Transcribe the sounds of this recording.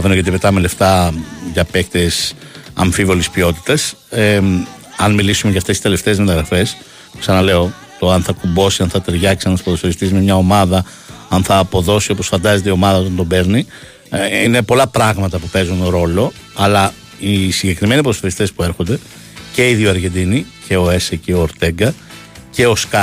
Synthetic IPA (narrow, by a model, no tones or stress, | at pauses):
ɐvenoʝet̪ipet̪ɐmele̞ft̪ɐʝɐpekt̪esɐ̰ɱfivo̞lispio̞t̪i̥t̪ɐs | ɐnmilisumeʝɐft̪esi̥t̪e̞le̞ft̪eːzme̞t̪ɐɣɾɐfe̞s | ksɐnɐle̞o̞ | t̪o̞ɐnθɐkumbo̞siɐnθɐt̪e̞ɾʝɐksiɐnspoðosoɾist̪izmemɲɐo̞mɐðɐ | ɐnθɐːpo̞ðo̞sio̞po̞sfɐnd̪ɐzet̪eio̞mɐðɐot̪ɐnd̪o̞be̞ɾni | inepo̞lɐpɾɐɣmɐt̪ɐpupe̞zunɾo̞lo̞ | ɐlɐ | isiɲɟe̞kɾime̞nipoðooɾist̪e̞spue̞ɾxo̞nd̪e̞ | ce̞iðioɐɾʝe̞nd̪inicʰe̞o̞eseceoːɾt̪e̞ŋɡɐ | ce̞o̞skɐ